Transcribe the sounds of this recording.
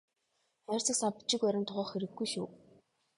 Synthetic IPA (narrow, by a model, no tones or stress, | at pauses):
œrʲsə̆ksapt͡ɕɪ̆kœɾʲɪ̆nt̪ʰʊʁɔːχxeɾɘ̆ɡːujʃuː